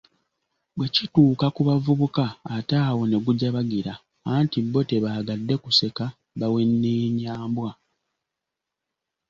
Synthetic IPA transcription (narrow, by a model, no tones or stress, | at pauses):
βwecituːkakuβavuβukaːtaːwo̞ne̞ɡuɟaβaɡiɾa | aːntibo̞te̞βaːɡadːe̞kuse̞ka | βawe̞nːeɲaːmbwa